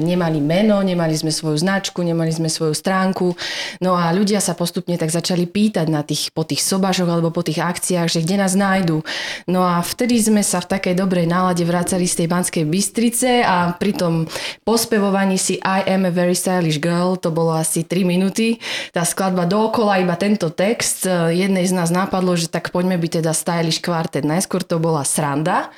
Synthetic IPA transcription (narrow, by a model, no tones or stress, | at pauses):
ɲɛmalimɛnɔɲɛmalizmɛsʋɔjuznat͡ʃkuɲɛmalizmɛsʋɔjust̪ɾaːŋkunɔaʎuɟɪasapɔst̪upɲɛt̪aɡzat͡ʃalipiːt̪aɟnat̪iːxpɔt̪iːxsɔbaʒɔɣalɛbɔpɔt̪iːɣakt͡siaɣʒɛɡɟɛnaːznajd̪unɔaft̪ɛd̪izmɛsaft̪akɛjd̪ɔbɾɛjnaːlaɟɛʋɾaːt͡salist̪ɛjbanskɛjbist̪ɾit͡sɛapɾit̪ɔmpɔspɛʋɔʋaɲiːsiʔajʔɛmʋɛɾist̪ajliʒɡɛlt̪ɔbɔlɔasit̪ɾiminut̪it̪aːsklad̪bad̪ɔːkɔlaibat̪ɛnt̪ɔt̪ɛkst̪jɛd̪nɛjznaːznapad̪lɔʒɛt̪akpɔɟmɛbic̚t̪ɛd̪ast̪ajliʃkʋaɾt̪ɛd̪najskʊɔɾt̪ɔbɔlasɾand̪a